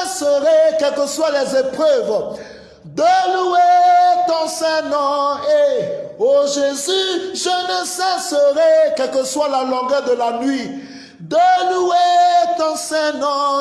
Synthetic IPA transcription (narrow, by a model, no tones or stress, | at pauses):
səʁɛkɛlkəswalɛzepχøv | d̪əluet̪ɑ̃sɛ̃nɔ̃eoʒezyʒənəsɛsəʁɛkɛlkəswalalɔ̃ɡœʁd̪əlanɥi | d̪əluet̪ɑ̃sɛ̃nɔ̃